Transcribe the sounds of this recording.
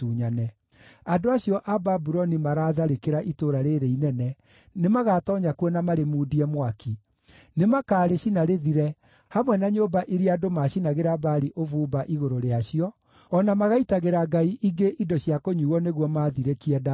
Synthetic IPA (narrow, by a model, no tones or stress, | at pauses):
uːɲanɛ | adoaɕjɔʔababuɾɔnimaɾaːðaɾekeɾaʔitoɾaɾeɾeinɛnɛ | nemaɣatɔɲakuɔnamaɾemuːdiɛmwaki | nemakaːɾeɕinaɾeðiɾɛ | hamwɛnaɲobaʔiɾiadomaɕinaɣeɾabaɾiʔovuːbaʔiɣoɾoɾeaɕiɔ | ɔnamaɣaitaɣeɾaɡaiʔiɡeʔidɔɕiakoɲuːɣɔneɣwɔmaðiɾɛkiɛda